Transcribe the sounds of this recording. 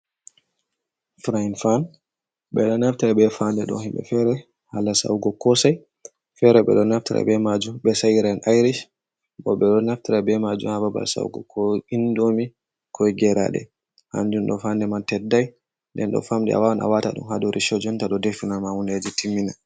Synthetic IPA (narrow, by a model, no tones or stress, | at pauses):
fɾajnfan | ɓɛɗɔnaftaɾabɛfandɛɗɔ̰hɛmbɛ̰fɛɾɛ | halasa̰wɡɔkɔsaj | fɛɾɛɓɛ̰ɗɔnaftḭɾa̰bɛmad͡ʒumbɛsajɾanʔajɾiʃ | bɔɓɛɗɔnaftiɾabɛmad͡ʒṵmhababa̰lsa̰wɡɔ̰kɔindomi | kʰɔjɡɛɾa̰ɗɛ̰ | ha̰nd͡ʒunɗɔfandɛmantɛdːaj | ndɛnɗɔ̰famdɛ̰a̰wanʔa̰wata̰ɗṵmhadɔɾʔiʃɔd͡ʒɔntaɗɔdefinamawunded͡ʒitimːina